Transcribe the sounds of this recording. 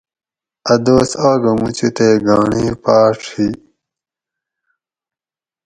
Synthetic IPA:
ɐd̪oːsaːɡɐmut͡ɕit̪eːɡaːɳĩːpaːʈ͡ʂʰi

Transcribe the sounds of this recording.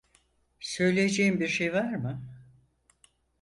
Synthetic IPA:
sø̞jlʲejed͡ʒejimbiɾʃejvaɾmɯ

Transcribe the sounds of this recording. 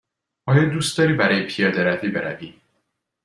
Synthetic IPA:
ɒːjɒːd̪uːst̪d̪ɒːɾiːbæɾɒːjepʰijɒːd̪eɾæviːbe̞ɾæ̰viː

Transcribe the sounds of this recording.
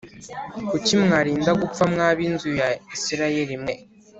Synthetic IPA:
kucimŋaɾiːndaɡup͡famŋaːβinzujaisiɾaje̞ɾimŋe̞

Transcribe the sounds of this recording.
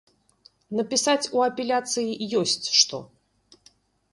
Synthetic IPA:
nɐpʲisat͡sʲuɐpʲɛlʲat̪sɨjijɔsʲt͡sʲʂt̪ɔ̰

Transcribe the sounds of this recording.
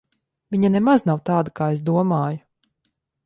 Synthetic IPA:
vʲiɲanɛmaznawt̪aːd̪akaːes̬d̪uɔmaːju

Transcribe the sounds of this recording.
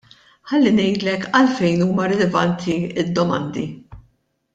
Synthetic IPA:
ħɐlːinɛjd̪lɛkɐlfɛjnuːmɐɾɛlɛvɐnt̪ʰiɪd̪ːɔmɐ̰nd̪i

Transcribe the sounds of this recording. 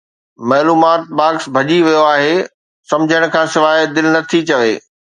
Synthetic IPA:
mɐːluːmaːt̪̚baːksbʱɐʄiʋijoaːɦeː | sɐ̃md͡ʑʱəɽ̃kʰãːsɪʋaːd̪ɪlnɐt̪ʰit͡ɕɐʋeː

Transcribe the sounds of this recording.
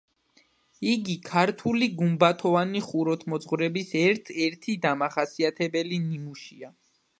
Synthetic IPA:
iɡikʰaɾt̪ʰuliɡumbat̪ʰɔvaniχuɾɔt̪ʰmɔt̪zʼχwɾɛbisɛɾt̪ʰɛɾt̪ʰid̪amaχasiat̪ʰɛbɛlinimuʃia

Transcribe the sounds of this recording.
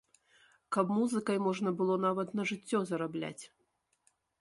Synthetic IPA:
kɐbmuzɨkɐjmɔʐnɐbɨlˠɔnavɐt̪nɐʐɨt͡sʲːɔzɐɾablʲa̰t͡sʲ

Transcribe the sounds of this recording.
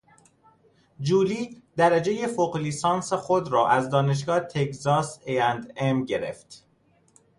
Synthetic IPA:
d͡ʒuːliːd̪æɾæd͡ʒeje̞foqliːsɒːnsexod̪ɾɒːʔæzd̪ɒːne̞ʃ̬ɡɒːt̪ʰe̞kzɒːseænd̪emɟe̞ɾḛft̪

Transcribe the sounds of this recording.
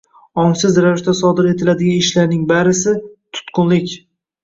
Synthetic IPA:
ɒŋsɪzɾavɪʃt̪asɒd̪ɪɾe̞t̪ʰɪlad̪ɪɡʲanɪʃlaɾnɪŋbaɾɪsɪt̪ʰʊ̥t̪qʰʊnlɪkʲ

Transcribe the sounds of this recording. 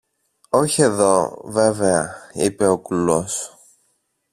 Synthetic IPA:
oçie̞ðo̞ve̞veɐipe̞o̞kulos

